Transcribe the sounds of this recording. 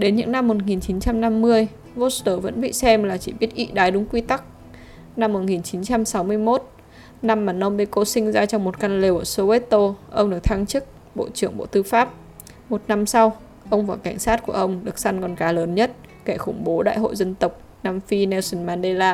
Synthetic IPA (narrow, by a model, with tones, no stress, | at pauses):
ɗe˨˦nɲɨ̰˧˥ŋna˧mːo˨˩t̚ŋi˨˩nt͡ɕi˨˦nt͡ɕa˧mna˧mːɨ˧əj | vo˦˥t̚st̪əː˧˩və̰˧˥nɓḭ˧˨sɛ˧mlaː˨˩t͡ɕi˧˩ɓi˦˥ət̚ʔḭ˧˨ɗaː˨˦jɗʊ˨˦ŋ͡mkwi˧t̪a˦˥k̚ | na˧mːo˨˩t̚ŋi˨˩nt͡ɕi˨˦nt͡ɕa˧msa˨˦wmɨ˧əjmo˦˥t̚ | na˧mːaː˨˩nɔ˧mɓe˧˩ko˧sï˧ŋ̟zaː˧t͡ɕɔ˧wŋ͡mmo˨˩t̚ka˧nle˨˩wʔəː˧˩so˧we˦˥t̪o˧ʔə˧wŋ͡mɗɨ˨˩ək̚t̪ʰa˧ŋt͡ɕɨ˦˥k̚ | ɓo̰˧˨t͡ɕɨ˧˩əŋɓo̰˧˨t̪ɨ˧faː˦˥p̚ | mo˨˩t̚na˧msa˧w | ʔə˧wŋ͡mvaː˨˩wka˧˩jŋ̟saː˦˥t̚ku˧˩əʔə˧wŋ͡mɗɨ˨˩ək̚sa˧nkɔ˨˩nkaː˨˦ləː˨˦nɲə˦˥t̚ | ke˧˩xʊ˧˩ŋ͡mɓo˨˦ɗa̰ː˧˨jɦo̰˧˨jzə˧nt̪ə˨˩wk͡p̚ | naː˧mfi˧nɛ˧wsə˧nmaː˧nɗe˧laː˧